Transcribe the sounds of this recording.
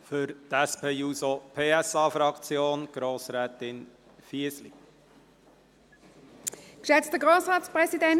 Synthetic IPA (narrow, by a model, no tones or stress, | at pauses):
fʏɾt̪ɛspʰeːuːsopʰeːɛsɑːfɾɑkt͡sjoːnɡ̥ɾoːsɾɛːt̪ɪn | fiəsli | kʃɛt͡stəɡʁoːsʁɑːtspʁɛsidɛn